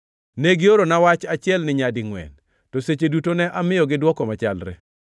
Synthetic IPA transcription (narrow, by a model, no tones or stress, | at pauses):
neɡɪoɾonawat͡ʃat͡ʃɪɛlnɪɲadɪŋwɛ̰n | tɔset͡ʃedutonɛʔamɪjɔɡɪdwɔkɔmat͡ʃalɾɛ̰